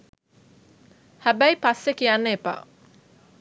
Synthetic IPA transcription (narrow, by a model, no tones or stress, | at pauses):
hæbæjpasːekijanːeepa̰